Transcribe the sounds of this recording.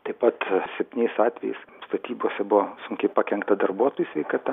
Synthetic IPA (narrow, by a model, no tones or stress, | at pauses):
t̪ɐɪpɐt̪sʲɛp̚ʲt̪ʲinʲɛɪsɑːt̪ʲʋʲɛjɛɪsst̪ɐt̪ʲiːbuɔsʲɛbʊʋɔsʊŋʲkʲɛɪpɑkʲɛŋkt̪ɐd̪ɐrbuɔt̪oːjusʲʋʲɛɪkɐːt̪ɐ